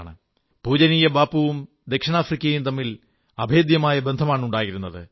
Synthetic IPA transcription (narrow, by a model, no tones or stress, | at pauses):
ɳɨ | puːd͡ʑɐniːjɐbaːpːuʋum | d̪e̞kʂɐɳaːfrikʲːɐjumt̪ɐmːil | ɐbʱe̞ːd̪jɐmaːjɐbe̞nd̪ʱɐmaːɳuɳɖaːjiɾunːɐðɨ